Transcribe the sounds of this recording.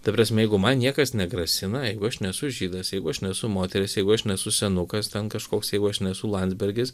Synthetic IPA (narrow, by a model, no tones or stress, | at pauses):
t̪ɐpɾɑːs̬ʲmʲɛjɛɪɡʊmɐnnʲiɛkɐsnʲɛɡɾɐsʲɪnɐjɛɪɡʊɐʃnʲɛsʊʒʲiːd̪ɐsjɛɪɡʊɐʃnʲɛsʊmoːt̪ʲɛɾʲɪsjɛɪɡʊɐʃnʲɛsʊsʲɛnʊkɐst̪ʲɛnkɐʃkoːksjɛɪɡʊɐʃnʲɛsʊlˠɐnd̪zʲbʲɛɾʲɡʲɪs